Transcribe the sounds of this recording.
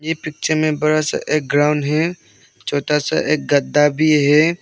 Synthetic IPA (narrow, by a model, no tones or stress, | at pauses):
jepɪk̚t͡ʃəmẽbɐɾasa̰ʔeːk̚ɡɾaːʊnɖɦɛ | t͡ʃɔːt̪asa̰ʔeːk̚ɡəd̪ːabʱiɦɛ